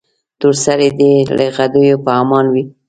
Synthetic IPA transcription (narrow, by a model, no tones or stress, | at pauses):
t̪uɾsaɾed̪eleɣad̪əjopəamɑnwi